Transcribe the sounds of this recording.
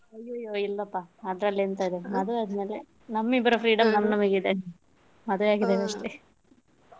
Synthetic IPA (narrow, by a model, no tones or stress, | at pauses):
ɐjːojːoilːɐpːaɐd̪ɾɐlːent̪aːjd̪emɐd̪uʋeɐd̪ɐme̞ːle | nɐmːibɐɾɐfʰɾiːɖɐmnɐmːɐnɐmɐɡid̪en | mɐd̪ɐʋeaːɡid̪eʋɐʂʈe